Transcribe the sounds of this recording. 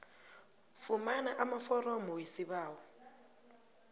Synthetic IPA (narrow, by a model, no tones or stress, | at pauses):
fumanaʔamafɔɾɔmɔwisiβaːwɔ